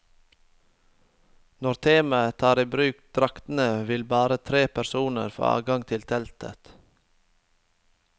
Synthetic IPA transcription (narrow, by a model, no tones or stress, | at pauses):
nɔɾt̪ʰiːmɑət̪ʰɑːɾiːbɾʉːkd̪̥ɾɑkt̪n̩əʋɪlbɑːɾət̪ʰɾeːpʰæɾsuːnə̰ɾfo̰ːɑ̰ːɡɑŋt̪ʰɪlt̪ʰɛlt̪ʰə̰t̪